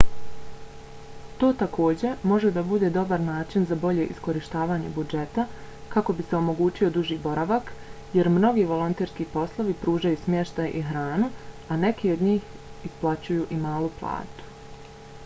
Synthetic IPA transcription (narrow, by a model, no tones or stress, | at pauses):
t̪o̞ːt̪akʰo̞ːd͡ʑe̞mo̞ʒed̪abud̪e̞ːd̪o̞baɾnaːt͡ʃinzabo̞ʎe̞ʔisko̞ɾiʃt̪aːʋaːɲe̞bud͡ʒe̞t̪akako̞bise̞o̞mo̞ɡuːt͡ʃio̞d̪uʒiːbo̞ɾaʋak | je̞ɾmno̞ɡiʋo̞lˠo̞nt̪eːɾskipo̞slˠo̞ʋipɾuːʒajusmje̞ʃt̪ajʔiɦɾaːnu | ane̞kio̞d̪ɲiːx | isplˠat͡ɕujuʔimaːlˠuplˠa̰ːt̪u̥